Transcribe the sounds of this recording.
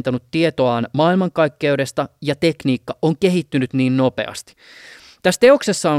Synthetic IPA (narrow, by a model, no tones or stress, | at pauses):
nt̪ɑnut̪ːiet̪oɑːnmɑːilmɑŋkɑjkːe̞yde̞st̪ɑjɑt̪e̞kniːkːɑʔoŋke̞ɦit̪ːynyt̪niːnno̞pe̞̰ɑ̰st̪i̥ | t̪æst̪eo̞kse̞sːɑo